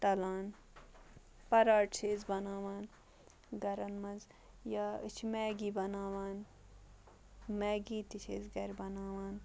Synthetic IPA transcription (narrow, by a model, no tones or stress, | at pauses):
t̪ɐlaːn | pɐɾaːʈt͡ʃʰeːzbɐnaːʋaːn | ɡɐɾɐnmɐnz | jaːɨt͡ʃʰmɛːɡiːbɐnaːʋaːn | mɛːɡiːt̪it͡ʃʰḛːzɡɐɾbɐnaːʋaːn